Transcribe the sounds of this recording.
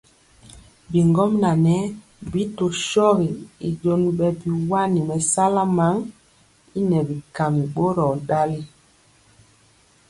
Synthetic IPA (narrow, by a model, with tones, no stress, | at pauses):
bi˨ŋɡɔ˦mna˨nɛ˦ | bi˨˦to˨ʃɔ˦ɣi˨i˨d͡ʒo˦nɓɛ˨bi˨wa˦ni˨mɛ˨sa˦la˦ma˨˦ŋ | i˦nɛ˨bi˨ka˨mi˨ɓo˦ɾɔ˨ɗa˦li˦